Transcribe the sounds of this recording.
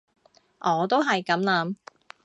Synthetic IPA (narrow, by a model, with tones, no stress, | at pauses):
ʔɔː˨˧t̪̬o˥wɦɐ˨jkɐ˨˥mlaː˨˧˥m